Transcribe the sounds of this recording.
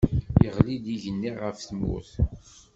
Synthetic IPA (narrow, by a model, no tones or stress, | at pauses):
jəʁlid̪iʝənːiʁəfθmṵθ